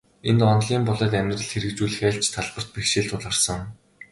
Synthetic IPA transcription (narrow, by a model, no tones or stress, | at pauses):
ent̪ɔnɮiːmpɔɮɔːt̪æmʲt̪rə̆ɮxeɾɘ̆kt͡ɕuːɮɘ̆xæːɬt͡ɕʰt̪ʰːaɮpə̆r̥t̪̚pixʃiːɮt̪ʰʊɮaːrsə̆ŋ